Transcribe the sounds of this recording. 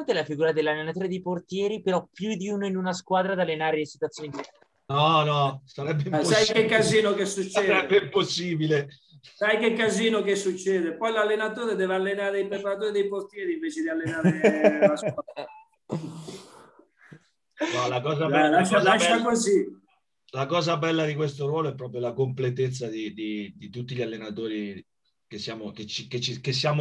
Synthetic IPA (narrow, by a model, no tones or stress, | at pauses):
ant̪elafiɡuːɾad̪elːalːenat̪oːɾed̪ejport̪jɛːɾipeɾɔpːjud̪iuːnoinunaskwaːd̪ɾad̪alːenaːɾelesi̥t̪wat̪sːjoːni | nɔnɔsaɾɛbːesjkekːaziːnokesːut͡ʃːsɛːɾɛbːeimposːiːbile | sajkekːaziːnokesːut͡ʃːɛːd̪epɔjlalːenat̪oːɾed̪ɛːvealːenaːɾeipɾepaɾat̪̬oːɾed̪ejport̪jɛːɾiɱveːt͡ʃed̪ialːenaːɾelasa | walakɔːzaɛlaʃaaʃakozi | lakɔːzabɛlːad̪ik̬west̪oɾwɔːloɛpːɾɔːp̬ɾjolakomplet̪et̪sːad̪id̪id̪it̪ut̪ːiʎalːenat̪oːɾi | kesːjaːmoket͡ʃiket͡ʃːikes̬ːjaːm